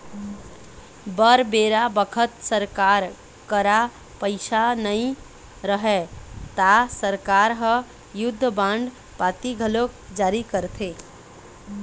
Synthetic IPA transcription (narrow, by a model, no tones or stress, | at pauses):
bəɾbeɾabəkʰət̪səɾkaɾ | kəɾa | pəɪsanəj | ɾəɦɛt̪asəɾkaɾɦə | jud̪ʱːəbãɳɖ | pat̪iɡʱəlokd͡ʒaɾikəɾt̪ʰe